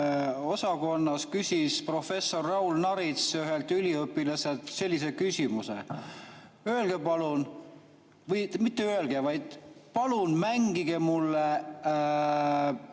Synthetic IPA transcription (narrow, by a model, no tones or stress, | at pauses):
o̞sɑko̞nːɑskysʲispro̞fe̞sːo̞rːɑulnɑɾit̪syɦe̞lt̪ylʲiɤpːilɑselt̪se̞lʲːis̬e̞kysʲimusḛ | øelɡ̥epɑlun | vɤjmit̪ːeøelɡ̥evɑjd̪̥pɑlunmæŋɡ̥iɡ̥e̞mulːe